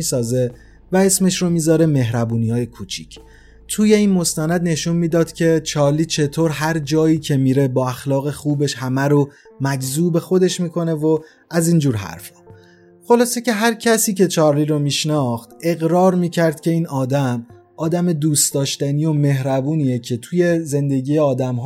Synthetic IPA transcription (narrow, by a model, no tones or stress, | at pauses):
iːsɒːze̞ | væe̞sme̞ʃɾomiːzɒːɾe̞me̞ɦɾæbuːniɒːjekʰut͡ʃʰḭcʰ | t̪ʰuːje̞iːnmo̞st̪ænæd̪ne̞ʃunmiːd̪ɒːd̪̥cʰe̞t͡ʃʰɒːɾliːt͡ʃʰe̞t̪ʰoːɾɦæɾd͡ʒɒːiːcʰe̞miːɾe̞bɒːæxlɒːɣe̞xuːbe̞ʃhæmæɾo | mæd͡ʒzuːbe̞xo̞d̪e̞ʃmiːkʰo̞ne̞vo | æziːnd͡ʒuːɾɦæ̰ɾfe̥ | xo̞lɒːse̞ce̞ɦæɾcʰæsiːcet͡ʃʰɒːɾliɾomiːʃnɒxt̪e̞ɣɾɒːɾmiːcʰæɾd̪̥̚cʰʲe̞iːnɒːd̪æm | ɒːd̪æme̞d̪uːst̪d̪ɒːʃt̪æniːjo̞me̞hɾæbuːniːjecʰe̞t̪ʰuje̞ze̞nd̪e̞ɟiːjeɒːd̪æmɦ